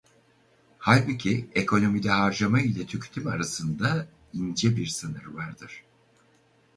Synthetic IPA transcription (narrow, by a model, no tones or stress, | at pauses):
halʲbucʰiekʰo̞no̞mid̪ɛhaɾd͡ʒamailʲɛt̪ʰycʰy̥t̪ʰymaɾasɯnd̪a | ind͡ʒɛbiɾsɯnɯɾvaɾd̪ɯɾ̥